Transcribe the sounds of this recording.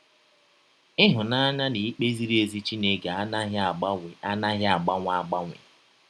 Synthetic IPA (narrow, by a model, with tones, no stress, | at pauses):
ɪ˦ɦʊ˨na˦ɲa˦ni˨i˦k͡pe˦zi˦ɾe˨zi˦t͡ʃi˦ne˦ɡe˨a˦ɦa˦na˦ɦɪ˦a˨ɡ͡ba˦ŋʷ˦a˦ɡ͡ba˦ŋʷɪ̰˨˦